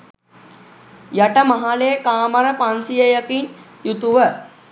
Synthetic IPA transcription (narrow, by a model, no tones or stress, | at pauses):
jaʈəmaɦalejəkaːməɾəpansijəjəkinjut̪uʋə